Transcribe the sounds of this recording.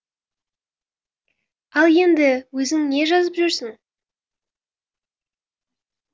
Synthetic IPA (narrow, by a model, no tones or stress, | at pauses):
ɑlˠje̞nd̪ɪwɵzɪŋne̞ʒɑzəpʒʏɾsɪŋ